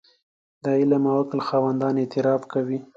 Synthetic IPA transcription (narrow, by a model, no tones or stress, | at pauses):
d̪aɪlamawaklxɑwand̪ɑnet̪ɪɾɑbkawi